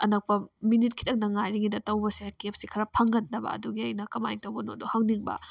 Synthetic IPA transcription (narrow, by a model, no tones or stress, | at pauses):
ɐ̰nɐk̚pɐminit̚kʰi̥tɐŋnɐŋajɾiŋɡidɐtɐwbɐsiakep̚sikʰɐɾɐpʰɐŋɡɐndɐbɐ̰ɐ̰duɡiɐjnɐkɐma̰jŋtɐwbɐno̰duhɐŋniŋbɐ̰